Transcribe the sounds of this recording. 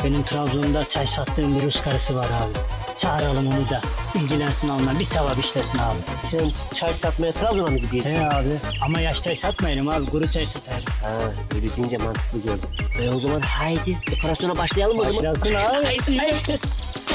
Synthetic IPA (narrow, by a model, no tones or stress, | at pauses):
b̥enymt̪ʰɾavlʲond̪at͡ʃʰajsat̪ʰːɯːmbiɾuskʰaɾɯsɯvaɾaːbi | t͡ʃʰaːɾalˠɯmo̞nud̪a | ilʲɟilʲænsinalˠɯnabisaβabit͡ʃlɛsinaːlˠɯmsɛn | t͡ʃʰajsat̪majat̪ʰɾavlʲunˠamɯɟid̪ijiɛaːbi | amajaʃt̪ʰajsat̪majɾɯmaːbiɡuɾut͡ʃʰajsat̪ʰajɾɯmhɛ | ølʲyd̪ind͡ʒɛmant̪ʰɯ̥klˠɯɡølʲd̪yozamanhajd̪id̪epʰaɾasjo̞nabaʃlˠajalˠɯmozamajalˠsɯnaːb̪ia